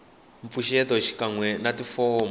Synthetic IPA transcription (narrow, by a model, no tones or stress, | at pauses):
ɱp̪fuʃɛtɔʃi̥kaŋwɛnatifɔm